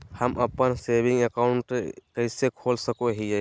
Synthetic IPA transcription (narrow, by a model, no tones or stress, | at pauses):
həməpənsebĩŋɡəkaʊɳʈɾekəɪsekʰoːlsəkoɦie